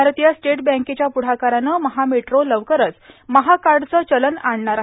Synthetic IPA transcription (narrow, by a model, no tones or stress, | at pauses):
aɾət̪jasʈeʈbə̃ŋket͡ɕjapuɽ̤akaɾanəməɦameʈɾoləʋkəɾət͡sməɦakaɾɖt͡səːt͡ɕələnaɳɳaɾ